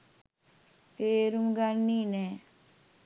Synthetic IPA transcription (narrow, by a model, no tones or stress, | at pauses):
t̪eɾumɡaiːnɛː